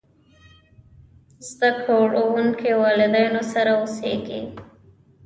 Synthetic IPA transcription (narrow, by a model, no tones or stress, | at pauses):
zd̪akoɽowuŋkewɑlɪd̪ɑjnosaɾauseɡḭ